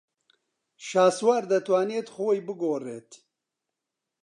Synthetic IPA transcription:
ʃaːswaːɾd̪ɐt̪waːneːt̪χoːjbɨɡoːreːt̪

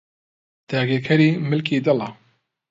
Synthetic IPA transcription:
d̪̥aːɡeːkʰɐɾiːmɪlkiːd̪ɐlɑ

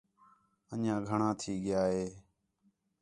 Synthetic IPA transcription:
əɲãːɡʱəɳãːt̪ʰiːɠɪjaːɦeː

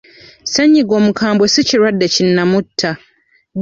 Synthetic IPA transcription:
saɲːiɡo̞ːmukʰaːmbwosiciɾwadːecinːamutʰːa

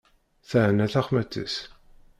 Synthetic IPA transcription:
θæʕnæθæχmæt͡sːə̰s

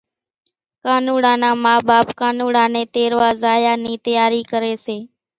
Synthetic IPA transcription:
kaːnuːɽãːnãːmaːɓaːpkaːnuːɽãːnẽːt̪eːɾʋaːzaːjaːniːt̪əjaːɾiːkəɾeːseː

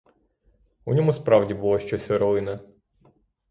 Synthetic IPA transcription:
unʲɔmuspɾɑwdʲibulˠɔʃt͡ʃɔsʲɔɾɔʋɪnɐ

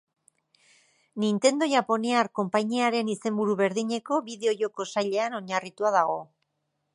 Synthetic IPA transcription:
nint̪e̞nd̪o̞ʝapo̞niaɾko̞mpaɲiaɾe̞nise̞mbuɾuβe̞ɾðiɲe̞ko̞βiðe̞o̞ʝo̞ko̞saʎe̞ano̞ɲarit̪uað̞aɣ̞o̞

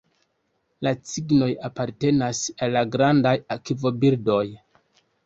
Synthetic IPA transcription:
lat͡siɡno̞japaɾte̞nasalːaɡɾandajakivo̞biɾdo̞j

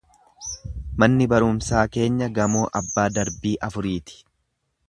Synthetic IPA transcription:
mɐnːɪbɐɾʊmsaːke̞ːɲːɐɡɐmoːʔɐbːaːd̪ɐɾbiːʔɐfʊɾiːt̪ɪ̥

